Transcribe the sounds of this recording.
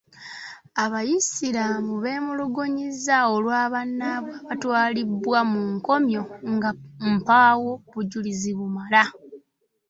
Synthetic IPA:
aβajisiɾamuβe̞ːmuluɡoɲizaolwaːβanːaβwaβatwaːlibwamuŋko̞mjo̞ŋɡam̩pawo̞βuɟuliziβumala

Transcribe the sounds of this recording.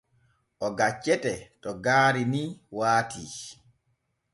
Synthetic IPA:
ʔɔɡat͡ʃːɛtɛtɔɡaːɾiniːwaːtʰi

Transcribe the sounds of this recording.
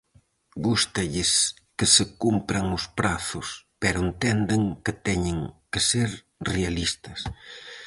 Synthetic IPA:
ɡust̪ɐʎɪs | kɪsɪkumpɾɐŋʊspɾaθʊspɛɾʊent̪ɛnd̪ɪŋkɪt̪ɛɲɪŋkɪseɾ | realist̪ɐs

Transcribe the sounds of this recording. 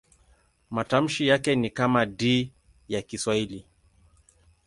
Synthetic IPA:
matam̩ʃijakɛnikamadiː | jakiswaili

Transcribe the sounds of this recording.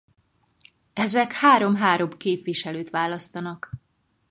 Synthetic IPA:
ɛzɛkhaːɾo̞mɦaːɾo̞bkeːpʋiʃɛløːt̪ʋaːlɒst̪ɒnɒk

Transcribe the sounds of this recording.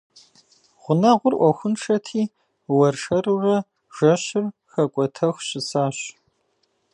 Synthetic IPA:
ʁʷʊnɐʁʷʊrʔʷɔxʷʊnʈ͡ʂʰɐtʰiː | wɐrʂɐrurɐ | ʒ̥ɐɕɪrxɐkʷʼɔtʰɐxʷɕɪsaːɕ

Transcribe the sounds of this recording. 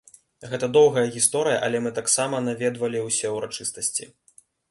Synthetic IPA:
ɣɛt̪ɐd̪ɔwɣɐjɐɣʲist̪ɔɾɨjɐʔɐlʲɛmɨt̪aksamɐnavʲɛd̪vɐlʲiwsʲɛɛwɾat͡ʂɨst̪ɐsʲt͡sʲḭ

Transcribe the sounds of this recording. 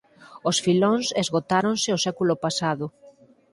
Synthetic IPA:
osfilonsezɣot̪aɾõnsɪosɛkulʊpasaðʊ

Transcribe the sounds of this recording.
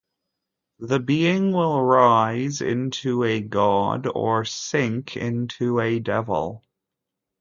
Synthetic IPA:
ðɨbiɪ̃ŋwɪlˠɹaɪzɪ̰̃ntʰuɨɡɑɾə̰˞sɪ̃ŋkʰɪ̰̃ntʰʉɨdɛvl̩ˠ

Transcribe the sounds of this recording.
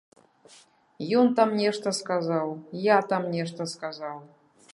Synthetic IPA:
jont̪amnʲeʂt̪ɐskazɑlˠjat̪amnʲeʂt̪əskazɑlˠ

